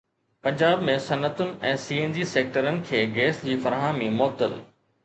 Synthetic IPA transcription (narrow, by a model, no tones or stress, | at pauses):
pɐ̃ɲd͡ʑaːbmẽsɐnət̪ʊnɪ̆ɛ̃ːsiːeːnd͡ʑiseːk̚ʈəɾənɪ̆kʰeːɡeːsd͡ʑiːfɐɾɦaːmimɔːb̚t̪ə̰l